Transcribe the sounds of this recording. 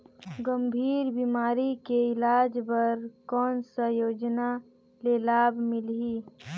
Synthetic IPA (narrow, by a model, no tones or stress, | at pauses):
ɡəmbʱiːɾbiːmaːɾikeɪlaːd͡ʒbəɾkɔːnsəjoːd͡ʒna | lelaːbmɪlɦiː